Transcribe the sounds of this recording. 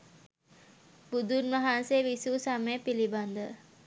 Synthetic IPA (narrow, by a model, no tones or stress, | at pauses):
b̥ud̪unʋaɦanseʋisuːsaməjəpiliband̪ə